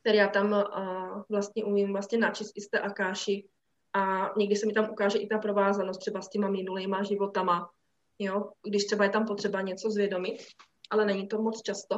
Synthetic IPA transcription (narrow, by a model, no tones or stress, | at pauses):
kt̪ɛɾijaːt̪am | vlast̪ɲɛʔumimvlast̪ɲɛnat͡ʃɪst̪ʔɪst̪ɛ̰ːʔakaːʃɪ | ʔaɲɛɡdɪsɛmɪt̪amʔukaːʒɛʔɪt̪apɾo̞vaːzanost̪ːr̥ɛbascɛmamɪnuliːmaʒɪvo̞t̪ama | joɡdɪʃt̪r̥ɛbajɛt̪ampot̪r̥ɛbaɲɛt͡so̞zvjɛdo̞mɪt̪ | ʔalɛnɛɲit̪o̞mot͡st͡ʃast̪o